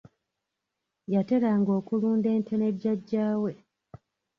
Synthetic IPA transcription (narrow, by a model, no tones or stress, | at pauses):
jate̞ɾaŋɡo̞ːkuluːnde̞ːntʰe̞ne̞dɟːaɟːaːwe̞